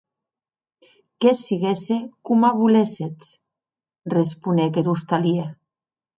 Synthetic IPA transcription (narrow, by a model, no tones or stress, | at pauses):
kesiɣesekumaβuleset͡s | respunekeɾust̪alie